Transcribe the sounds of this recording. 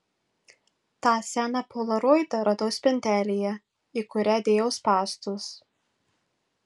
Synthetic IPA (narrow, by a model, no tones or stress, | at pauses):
t̪ɑːsʲæːnɑpoːlˠɐɾoːɪd̪ɐɾɐd̪oːspʲɛnʲt̪ʲæːlʲeːjɛ | iːˑkʊɾʲæːd̪ʲeːjɛʊspɑːst̪us